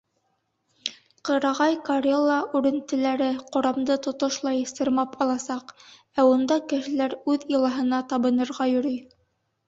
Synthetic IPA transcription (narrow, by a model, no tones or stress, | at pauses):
qɤ̆ɾɑʁɑjkoɾʲelˠːɑʔʉɾɘ̆nt̪ɘ̆læɾɘqŏɾɑmd̪ɤt̪ŏt̪oʃlˠɑjsɤ̆ɾmɑpɑlˠɑsɑq | æund̪ɑkɘ̆ʃɘ̆læɾʉðilˠɑɦɤ̆nɑt̪ɑβɤ̆nɤ̆ɾʁɑjɵ̆ɾɵj